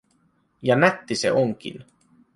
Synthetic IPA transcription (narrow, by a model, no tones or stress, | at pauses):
jɑnæt̪ːisḛʔoŋk̟ḭn